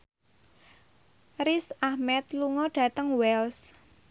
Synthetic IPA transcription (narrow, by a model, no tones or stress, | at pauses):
rɾisahmɛt̪̚luŋɔɖ̥ä̤t̪əŋwɛls